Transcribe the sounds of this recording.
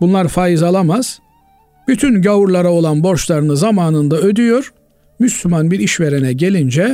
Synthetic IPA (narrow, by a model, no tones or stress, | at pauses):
bunlˠaɾfaːjizalˠamaz̥ | b̥yt̪ʰynɟauɾlˠaɾao̞lˠanbo̞ɾʃlˠaɾɯnɯzamaːnɯnd̪aø̞d̪yjoɾ̥ | myslʲymanbiɾiʃve̞ɾenɛɟe̞lʲind͡ʒɛ